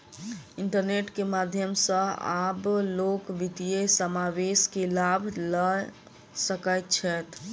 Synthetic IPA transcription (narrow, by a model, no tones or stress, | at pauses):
iɳʈəɾneʈkemad̪ʱjəmsə̃a̰blokʋit̪ijesəmaʋeskelabʱlə | səkəjt̪t͡ʃʰɛt̪